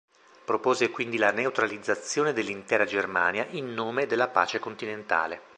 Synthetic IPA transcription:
pɾopoːzekwind̪ilaneut̪ɾalid̪zːat̪sːjoːned̪elːint̪ɛːɾad͡ʒerma̰ːnjaʔinːoːmed̪elːapa̰ːt͡ʃekont̪inent̪a̰ːle

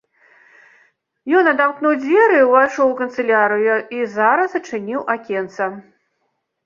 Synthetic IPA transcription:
jɔnɐd̪amknuwd͡zʲvʲɛɾɨuvajʂɔwukɐnt̪sɨlʲaɾɨjuizaɾɐsɐt͡ʂɨnʲiwʔakʲɛnt̪sɐ

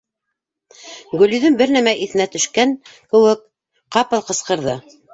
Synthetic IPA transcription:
ɡɵ̆lyðɵnbɘɾnæmæʔiθɘ̆næt̪ɵ̆ʃkæŋkɘ̆wɘk | qɑpɤlˠqɤ̆sqɤ̆ɾðɤ

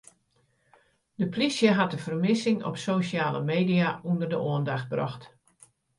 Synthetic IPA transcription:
d̥əplisjəɦatdəv̥ərmɪsɪŋɔ̰psoːsjaːlə̰meːdiaundərdəʔoəndaxt̚brɔ̰xt

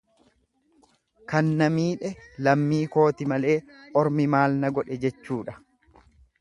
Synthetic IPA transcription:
kɐnːɐmiːᶑɛlɐmːiːko̞ːt̪ɪmɐle̞ːʔɔɾmɪmaːlnɐɡɔᶑɛd͡ʒɛt͡ʃːuːᶑɐ

